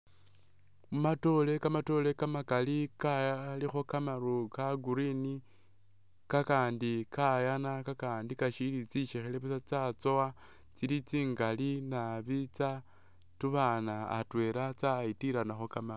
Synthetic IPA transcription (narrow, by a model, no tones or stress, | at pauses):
mumato̞le̞kamato̞le̞kamakalikajalixo̞kamarukaɡuɾini | kakaːndikajanakakaːndikaʃilit͡siʃexeleβusat͡sat͡so̞wa | t͡silit͡siːŋɡalinaβit͡sa | tuβana̰ːtwe̞ːɾat͡saitiɾanaxo̞kamau